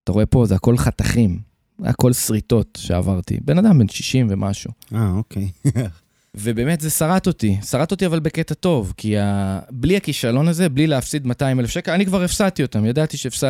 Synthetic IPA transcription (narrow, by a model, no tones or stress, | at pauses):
taʁoe̞po̞zeako̞lχataχim | zḛa̰ko̞lsʁit̪o̞tʃea̰vaʁt̪ḭbe̞nad̪ambenʃi̥ʃimve̞mʔaʃuaokʰej | ve̞be̞ːme̞tzesaʁat̪o̞t̪isaʁat̪o̞t̪iavalbe̞ketato̞vkiabliakiʃalo̞naze̞blileafsid̪mataimelefʃekelanikvaʁefsat̪io̞t̪amjadat̪iʃeːfsa